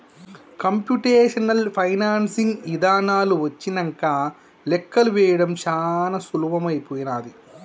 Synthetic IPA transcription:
kɐmpjuʈeːʂɐnɐlpʰɐjnaːnsiŋɡid̪aːnaːluʋɐt͡ʃːinɐŋkaː | lɛkːɐluʋɛːjɐɽɐmt͡ʃaːnɐsuluːbɐmɐjpoːjinaːd̪i

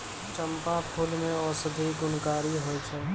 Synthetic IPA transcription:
t͡ʃə̃mpapʰʊlmẽɔːɾsʊd̪ʱiɡʊnkaːɾiɦoːit͡ʃʰɛː

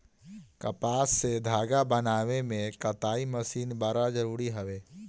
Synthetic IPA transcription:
kɐpaːsːed̪ʱaːɡabənaːʋemẽkɐt̪aːiməsiːnbaɾad͡ʒəɾuːɾiɦəʋeː

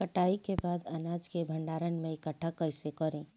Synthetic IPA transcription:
kəʈaːikebaːd̪ɐnaːd͡ʒkebʱə̃ɳɖaːɾənmẽɪkəʈʰːakɐɪsekɔɾẽː

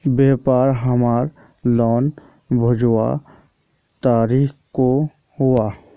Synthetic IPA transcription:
beːpaːɾɦəmaːɾ | lɔːn | bʱəd͡ʒwa̰ | t̪aːɾiːxko | ɦuaː

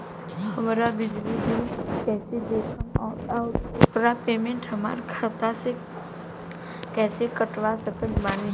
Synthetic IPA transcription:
hɐmɾabɪd͡ʒlibikɛːsed̪eːkʰənɔːtɔɾʊpɾapeːmẽɳʈɦəma̰ːɾkʰat̪ase | kɛːsekəʈʋasəkə̃nmaːni

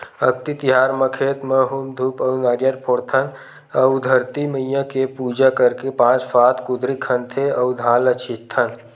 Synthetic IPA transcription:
ək̚t̪it̪ɪɦaːɾməkʰeːt̪məɦumd̪ʱuːpəwnaːɾjaɾpʰoːɾt̪ʰən | ɐwd̪ʱəɾt̪iməjjãkepuːd͡ʒakɐɾkepãːt͡ʃfʰaːt̪kʊd̪ɾikʰə̃nt̪ʰeɐwd̪ʱãːlət͡ʃʰit̪ʰːən

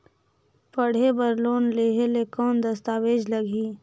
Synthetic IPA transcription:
pəɽ̤ebəɾloːnleːɦelekɔːnd̪ɐst̪aːʋeːd͡ʒləɡʱiː

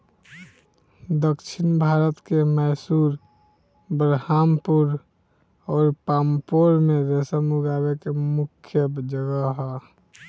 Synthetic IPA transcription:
d̪əkt͡ʃʰinbʱaɾət̪kemɛsuɾ | bɾhampuɾ | ɔːɾpampoɾmeɾesəmuɡaβekemukʰjəd͡ʒəɡəɦɛ

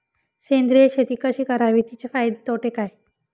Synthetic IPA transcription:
send̪ɾijəɕet̪iːkəɕiːkəɾaʋit̪it͡ɕefajd̪et̪oʈekaj

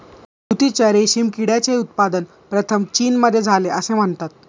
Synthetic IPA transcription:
ɡut̪it͡ɕaɾeɕiːmkiɽjat͡seut̪̚pad̪ən | pɾət̪ʰəmt͡ɕiːnməd̪ʱːjed͡zʱaleʔəsẽm̤əɳt̪at̪̚

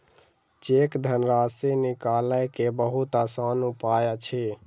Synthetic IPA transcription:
t͡ʃekd̪ʱənɾasenikaləjkebəɦut̪asanupajat͡ʃʰi

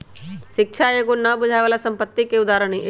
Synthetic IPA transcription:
ʃɪkʃʰaeɡonɐbʊd͡ʒʱaːjʋaːlasɐ̃mpət̪ːikeʊd̪aːɾəɽ̃eʔ

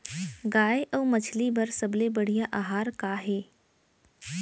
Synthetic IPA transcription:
ɡaːeʔɔːmɐt͡ʃʰlibɐɾsɐblebəɽ̤ijaʔaːɦaːɾkaːɦeː

